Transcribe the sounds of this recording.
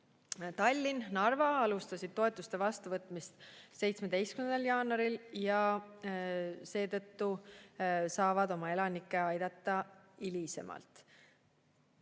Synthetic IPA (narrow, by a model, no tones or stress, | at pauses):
t̪ɑlʲːinnɑrvɑɑlust̪ɑsʲid̪̥̚t̪o̞e̞t̪ːˑust̪e̞vɑst̪uvɤt̪ːˑmist̪se̞jt̪sme̞d̪̥e̞jst̪kymend̪ɑljɑːnɑɾiljɑ | se̞ːt̪ɤ̞t̪ːu | sɑːvɑd̪o̞mɑe̞lɑnikːˑe̞ɑjd̪̥ɑt̪ːɑilise̞̰mʔɑ̰lt̪ˑ